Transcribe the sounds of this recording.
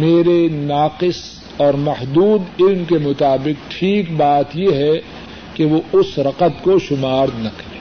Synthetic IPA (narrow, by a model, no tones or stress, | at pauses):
meːɾenaːqɪs | ɔːɾmɐhd̪uːd̪ɪlmkemʊt̪aːbɪq̚ʈʰiːkbaːt̪jeɦɛ | keʋoʊsɾɐqət̪koʃʊmaːɾnɐkɐɾeː